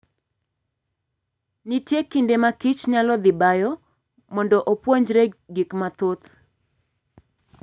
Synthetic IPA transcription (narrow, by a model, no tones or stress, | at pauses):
nitjekindemakit͡ʃɲalɔd̪ɪbajɔ | mɔndɔʔopwoɲd͡ʒɾeɡikmat̪ot̪